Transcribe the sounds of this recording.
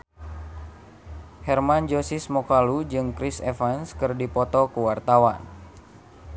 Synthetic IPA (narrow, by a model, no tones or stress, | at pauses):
hɛrmand͡ʒosismɔkalud͡ʒɨŋkɾisefanskɨrdipɔt̪ɔkuwart̪awan